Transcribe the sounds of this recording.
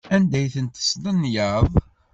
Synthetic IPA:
ænd̪æjθənt̪ə̥sdˤənːjəðˤ

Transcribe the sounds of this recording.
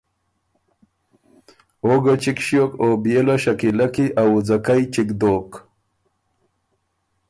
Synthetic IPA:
oɡat͡ʃikʃjokobjeloɕakilakiʔawd͡zakajt͡ʃikd̪oːk

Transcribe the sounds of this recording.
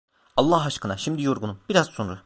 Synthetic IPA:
ɑlˠːahaʃkɯnaʃimd̪ijo̞ɾɡunumbiɾazsonuɾ

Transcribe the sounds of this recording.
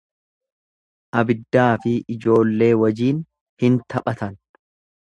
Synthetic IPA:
ʔɐbɪd̪ːaːfɪɪd͡ʒo̞ːlːe̞ːwɐd͡ʒiːn | hɪnt̪ʰɐpʼɐt̪ɐn

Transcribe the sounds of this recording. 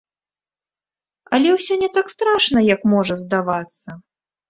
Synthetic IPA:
ɐlʲɛwsʲɔnʲɛt̪akst̪ɾaʂnɐjɐkmɔʐɐzd̪avat̪sːɐ

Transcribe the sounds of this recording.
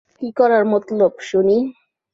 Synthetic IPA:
kikɔɾaɾmot̪lobʃuni

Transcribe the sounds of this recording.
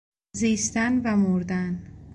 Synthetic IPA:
ziːst̪ænvæmoɾd̪æn

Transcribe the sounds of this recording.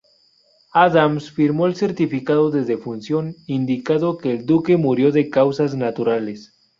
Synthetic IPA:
aðamsfiɾmoelse̞ɾt̪ifikaðoðe̞ðe̞funsjo̞nind̪ikaðokeːld̪uke̞muɾjo̞ðe̞kawsaznat̪uɾales

